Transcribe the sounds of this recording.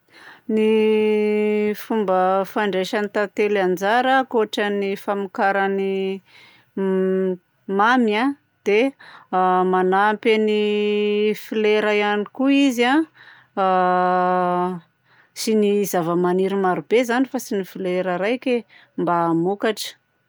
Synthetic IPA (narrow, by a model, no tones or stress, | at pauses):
ni | fumbəfaɳɖ͡ʐeʃanit̪at̪eland͡zaɾəkoʈ͡ʂənifamikaɾani | mamia | d̪̥e | manampani | fileɾajanikuiza | sinizavəmaniɾimaɾubezanifasinifileɾəɾajke | mbaːmukaʈ͡ʂə̥